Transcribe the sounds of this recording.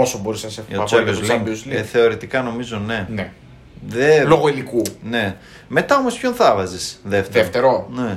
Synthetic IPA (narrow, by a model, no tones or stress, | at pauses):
osobo̞ɾisɐsefɐɐseluzlzleθe̞o̞ɾit̪ikɐno̞mizo̞ne̞ne | ðeloɣoilikune̞ | me̞t̪ɐo̞mo̞spço̞nθɐvɐzisðeft̪eft̪eɾone